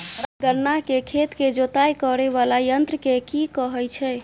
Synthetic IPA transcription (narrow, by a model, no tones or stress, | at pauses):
d̪əɾnakekʰet̪ked͡ʒot̪ajkɔɾeβalajənt̪ɾəkekikɔɦəjt͡ʃʰɛ